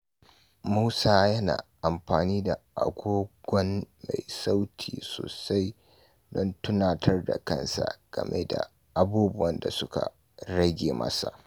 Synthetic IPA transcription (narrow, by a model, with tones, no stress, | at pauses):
muː˦saː˦jɐ˦na̰ː˨ʔa˨mɸaː˨niː˦da˨ʔa˨ɡʷoː˦ɡʷɔ˦nma˨jsa˦wtʰiː˨soː˨sa˦j | dɔ˦ntʊ˦naː˨tʰɐ˦rda˨kɐ˦nsa˨ɡ̥ɐ˨mʔḛ˦da˨ | ʔa˨buː˦bʊ˦wɐ˦nda˨sʊ˦ka̰˨ | ɽɐ˦ɡʲeː˨mɐ̰˦sa˨ʔ